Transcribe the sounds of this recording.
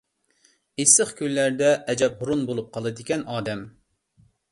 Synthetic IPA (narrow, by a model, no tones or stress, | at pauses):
esəχkʲylːæɾd̪ɛʔɛd͡ʒɛphʊɾunbolˠup̚qʰɑlˠɨd̪ɪkʲɛnɑːd̪ɛm